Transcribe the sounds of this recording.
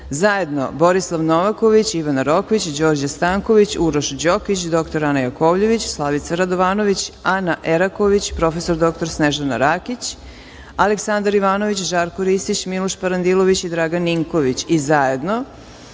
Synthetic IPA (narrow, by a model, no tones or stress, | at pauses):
zaje̞d̪no̞̰bo̞ɾislˠaʋnoʋakoʋit͡ɕiʋanaɾo̞koʋit͡ɕd͡ʑo̞ːɾd͡ʑast̪aŋko̞ʋit͡ɕuɾoʃd͡ʑokit͡ɕd̪o̞kt̪oɾanajakoːʋʎe̞ʋit͡ɕslˠaʋit̪saɾad̪oʋaːno̞ʋit͡ɕanaʔeɾako̞ʋit͡ɕpɾo̞fesoɾd̪o̞k̚t̪o̞ɾsneʒanaɾakit͡ɕ | aleksand̪aɾiʋaːno̞ʋit͡ɕʒaːɾkoɾist̪it͡ɕmilˠoʃpaɾand̪ilˠoʋit͡ɕid̪ɾaɡanːiŋko̞ʋit͡ɕizajed̪no̞